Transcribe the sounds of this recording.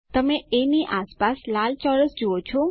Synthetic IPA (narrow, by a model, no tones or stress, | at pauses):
t̪əmeeniʔaspaslalt͡ʃɔləsd͡ʒuot͡ʃʰo